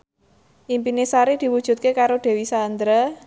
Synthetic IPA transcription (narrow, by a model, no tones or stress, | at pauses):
ʔimpinesaɾid̪̥i̤wud̥ʒ̥ṳt̪̚kekaɾoɖ̪̥e̤wisand̪ɾa